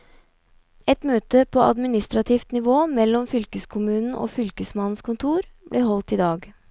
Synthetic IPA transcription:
ɛt̪møːt̪əpʰoːʔɑ̰d̪mɪnɪst̪ɾɑt̪ʰiːft̪nɪʋoːmɛlːɔmfʏlkəskʰʊmʉːnn̩ʔo̰ːfʏlkəsmɑnn̩skʊnt̪ʰuːɾblʔeːhɔlt̪iːd̪ɑːɡ

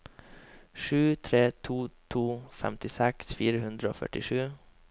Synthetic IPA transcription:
ʃʉːt̪ʰɾeːt̪ʰuːt̪ʰuːfɛ̰mt̪ɪsɛksfiːɾəhʉnd̪ɾəo̰ːfœ̰ʈɪʂʉː

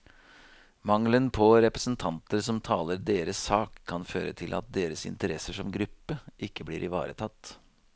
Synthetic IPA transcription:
mɑŋlənpʰɔɾɛpɾəsnt̪ʰɑnt̪əɾsɔmt̪ʰɑːləɾd̪eːɾəsɑːkʰːɑnføːɾət̪ʰɪlʔɑ̰t̪̚d̪eːɾəsɪ̰nt̪əɾɛsəʂɔmɡɾʉpːəʔɪkːəblḭːɾʔɪʋɑ̰ːɾə̰t̪ʰɑt̪ː

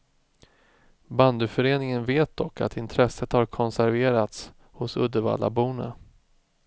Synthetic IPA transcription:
band̪ʉfœɾeːnɪŋənveːt̪̚d̪ɔkːa̰t̪ɪnt̪ʰɾɛsət̪haɾkʰɔnsæɾveːɾat̪s | hʊsɵ̰d̪əva̰ːla̰buːnə

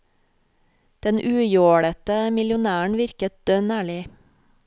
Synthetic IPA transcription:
d̪̥ɛnʔʉːjoːɽət̪əmɪljʊnæːɳ̩ʋɪɾkət̪̚d̪̥œnæːɭɪ

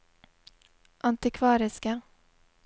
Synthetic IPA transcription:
ʔant̪ɪkʰvɑːɾɪska

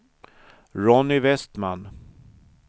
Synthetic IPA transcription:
ɾɔnːɪvɛst̪man

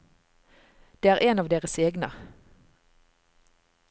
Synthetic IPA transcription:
d̪̥eːæːʁʔeːnɑːʋd̪eːʁəseːɡnə̰

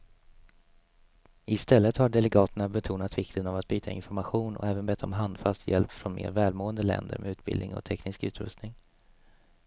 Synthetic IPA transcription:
ɪst̪ɛlːət̪haɖɛlɛɡɑːt̪əɳabɛt̪ʰuːnat̪vɪkt̪ənavat̪̚byːt̪ʰaɪ̰nfɔɾmaɧuːnɔ̰kɛːvənbɛt̪ːɔ̰mɦand̪fast̪jɛ̰lpfɾɔnmḛːɾvɛːlmoːənd̪əlɛ̰nd̪ə̰ɾmɛ̰ʉ̟ːt̪bɪ̰ld̪ɪ̰ŋɔ̰t̪ʰɛknɪskʉ̟ːt̪ɾɵ̰st̪nɪŋ

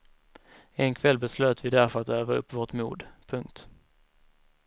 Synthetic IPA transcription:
ɛnkʰvɛlːbɛsløːt̪vɪd̪æɾfœɾat̪øːvaɵ̰pːvoːʈmṵːd̪pʰɵŋk̚t̪

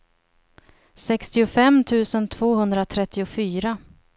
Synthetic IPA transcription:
sɛkst̪ɪʊfɛmːt̪ʰʉ̟ːsənt̪ʰv̥oːhɵnd̪ɾat̪ʰɾɛt̪ːɪʊfyːɾa

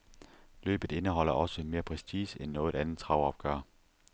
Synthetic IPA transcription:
lø̰ːb̥ð̩ˠe̝nəɦɒ̽l̰ɐʔɒ̽səme̝ːɐpʰʁɛsd̥iːsenːɔ̽ːð̩ˠænð̩ˠt͡sʰʁɑ̈ʊɒ̽b̥̚ɡ̥ɶ̰ɐ̰

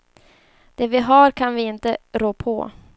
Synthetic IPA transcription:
d̪̥ɛvɪɦaɾkʰanvɪɪnt̪əɾoːpʰɔ̰

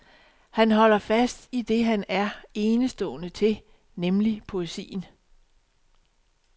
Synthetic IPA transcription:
hænɦɒ̽l̰ɐfæsd̥id̥e̝ɦænæɐe̝ːnəsd̥ɔ̰̽ːnət͡sʰe̝ | nemlipʰo̝e̝sḭːn

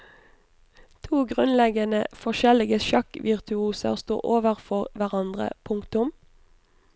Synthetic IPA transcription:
t̪ʰuːɡʁʉnlɛɡənəfɔʃɛlɪɡəʃɑkʋʔɪʁt̪ʰʉuːsə̰ʁst̪ṵːʔoːʋəʁfɔʁʋæʁɑnd̪ʁə̰pʰʊŋkt̪ʊm

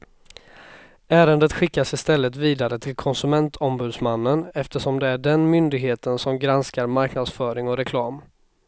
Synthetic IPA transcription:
ʔæːɾənd̪ət̪ɧɪkːasɪst̪ɛlːət̪viːd̪aɾət̪ʰɪlkʰɔnsɵmɛnt̪ʰɔmbʉ̟ːd̪smanːənɛft̪əʂɔmd̪ɛæɖɛnmʏnd̪ɪɡɦeːt̪ənsɔmɡɾanskaɾmaɾknad̪sfœːɾɪŋɔɾɛkʰlɑːm

